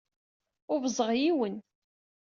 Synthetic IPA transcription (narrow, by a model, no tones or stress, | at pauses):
ʊɾvəzˤəʁjiwən